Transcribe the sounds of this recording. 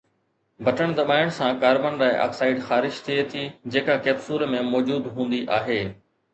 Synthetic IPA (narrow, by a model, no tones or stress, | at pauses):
bʱɐʈəɽ̃d̪ɐɓaːɪjʊɽ̃sãkaːɾbənɾaːɪʔa̰ːksaːɪɖxaːɾɪʃt̪ʰiet̪ʰid͡ʑeːkakeːbsuːɾmẽmɔːd͡ʑuːd̪ɦũːn̆d̪iʔaːɦeː